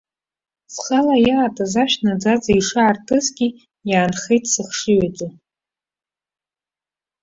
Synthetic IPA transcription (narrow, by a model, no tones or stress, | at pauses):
sχalajaːtʼazaʃnad͡zad͡zaiʂaartʰɨzɡʲi | jaːnχe̞jtʰʼsɨχʂɨɥad͡zʼu